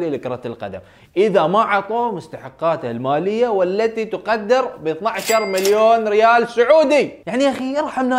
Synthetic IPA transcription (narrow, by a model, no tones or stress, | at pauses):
lilɪkɾˤɑt̪ɪlqa̰d̪a̰m | ʔɪðamaʕɑt̪ˤoːmʊst̪aħɑqːɑːt̪almaːlɪjːawɪlːat̪it̪ʊqɑd̪ːɪɾbɪθnaʕʃɑɾˤmaljoːnɾɪjaːlsʊʕuːd̪ijaʕniʔaxijɨɾˤħamna